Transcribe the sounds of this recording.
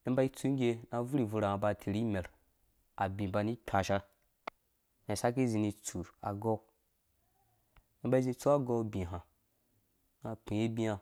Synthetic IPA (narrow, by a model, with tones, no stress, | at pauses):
i˦ba˦i˦t͡su˦ɡʲe˦na˨vu˦ɾi˨vu˧ɾa˨a˨ba˨tʰi˨ɾi˦me˨ɾ | a˨bʲĩ˨ba˧ni˦k͡pʰʲa˨ʃa˦ɾ | na˨sa˦ki˦zi˨ni˨˧t͡su˨ɾa̰˨ɡo˦ | i˦ba˦i˦zi˧˦t͡su˦a˦ɡo˦bʲĩ˨ɦã˨ | na˨pĩ˨e˦bi˦a˦